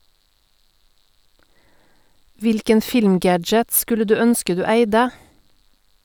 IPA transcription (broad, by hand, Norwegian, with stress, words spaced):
ˈʋɪlkən ˈfɪlmˌɡæd͡ʒət ˈskʉlə ˈdʉː ˈœnskə ˈdʉː ˈæɪdə